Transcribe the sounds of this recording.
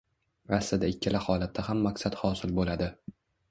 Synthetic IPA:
ɾasːɪd̪aɪkʲʰːɪlahɒlat̪̚ʰːahamːaksat̪hɒsɪlbolad̪ɪ

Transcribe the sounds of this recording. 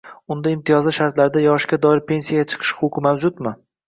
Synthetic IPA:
ʊnd̪aɪmt̪ʰijɒzlɪʃaɾt̪laɾɪd̪ajɒʃkʲad̪ɒɪɾpʰe̞nsijaɡʲat͡ʃʰɨ̥qʰɨ̥ʃχʰʊqʰɨmawd͡ʒʊt̪mɪ

